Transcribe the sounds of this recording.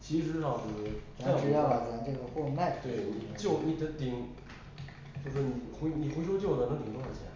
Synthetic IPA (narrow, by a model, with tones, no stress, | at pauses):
t͡ɕʰi˧˥ʂɻ̩˧˥ʂɑ˥˩ʂ̩˧˩˥ʈ͡ʂa˥˧ʂu˥jɑ˥˩pa˨˩ʈ͡ʂa˧˥ʈ͡ʂɤ˥˩ɡə˩xwɔ˥˧ma˥˩ɪt̪we˥˩ɪni˨˩t͡ɕjo˥˩ʊni˧˩t̪ə˧˥t̪i˨˩˦ŋ | t͡ɕjo˥˧ʊʂ̬ɔ˥˩ni˨˩xe˧˥ni˨˩xwe˧˥ɪʂo˥t͡ɕjo˥˩ʊnə˧˩nə˧˥ŋt̪i˨˩ŋt̪t͡ɕʰi˨˩la˧˦